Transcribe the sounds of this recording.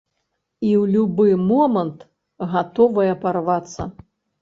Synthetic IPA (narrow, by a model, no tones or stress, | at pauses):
iwlʲubɨmɔmɐnt̪ | ɣat̪ɔvɐjɐparvat̪sːɐ̰